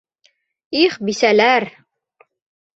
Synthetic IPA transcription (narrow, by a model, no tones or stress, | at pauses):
iχbisælæɾ